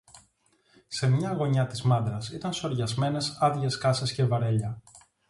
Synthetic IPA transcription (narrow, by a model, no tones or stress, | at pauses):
se̞mɲɐːɣo̞ɲɐt̪izmɐnd̪ɾɐsit̪ɐnso̞ɾʝɐzme̞ne̞sɐðʝe̞skɐse̞sce̞vɐɾeʎɐ